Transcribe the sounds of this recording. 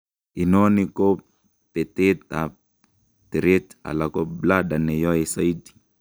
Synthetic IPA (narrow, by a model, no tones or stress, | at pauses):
inɔniko | pet̪et̪a | teɾeta̰lakobladanɛjɔesaidi̥